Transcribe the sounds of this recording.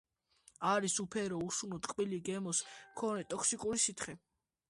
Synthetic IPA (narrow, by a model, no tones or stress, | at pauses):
aɾisupʰɛɾɔusunɔt̪ʼqʼbiliɡɛmɔsmkʰɔnɛt̪ʼɔkʰsikʼuɾisit̪ʰχɛ